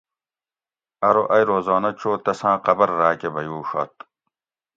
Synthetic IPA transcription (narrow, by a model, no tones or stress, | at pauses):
ɐɾoʔɐjɾoːzɑːnɐt͡ɕʰoːt̪ɐsãːqɐbɐɾːaːkebɐjuːʂɐ̰t̪̚